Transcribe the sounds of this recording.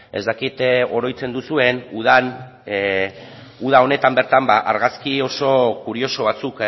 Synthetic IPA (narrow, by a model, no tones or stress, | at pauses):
e̞zd̪akit̪o̞ɾo̞jt͡se̞nd̪usue̞nuðan | uð̞ao̞ne̞t̪ambe̞ɾt̪ambaʔaɾɣaskio̞so̞kuɾio̞so̞β̞at͡suk